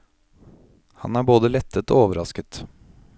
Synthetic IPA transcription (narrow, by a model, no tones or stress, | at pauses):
hɑ̰næːɾboːd̪əlɛt̪ʰːət̪o̰ːoːʋəɾɑskət̪